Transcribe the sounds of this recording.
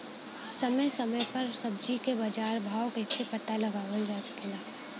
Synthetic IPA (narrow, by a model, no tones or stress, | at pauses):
sɐməjsɐməjpɐɾsɐbd͡ʒikebɐd͡ʒaːɾbʱaːwkesʰepɐt̪alɐɡaʋəld͡ʒasɐ̥kelaː